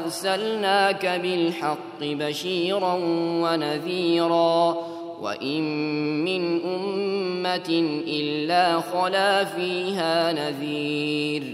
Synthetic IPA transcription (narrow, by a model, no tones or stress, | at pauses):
ɾˤsalnaːkabɪlħɑqːɪbaʃiːɾˤɑnwanaðiːɾˤɑː | wa̰ʔɪmːɪnʔʊmːat̪ɪʔɪlːaːxɑlaːfiːɦaːnaðiːɾ